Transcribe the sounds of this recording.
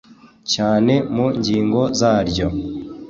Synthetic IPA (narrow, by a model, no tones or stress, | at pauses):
caːne̞muɲɟiːŋɡo̞zaːɾɟo